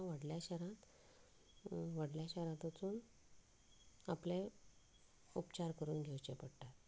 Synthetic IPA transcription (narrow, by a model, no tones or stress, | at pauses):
ʋəɽljaɕɛɾãt̪ | ʋəɽljaɕɛɾãt̪ət͡suːn | aplẽ | upt͡ɕaɾkəɾuːnɡʱewt͡ɕepəɽʈaɾ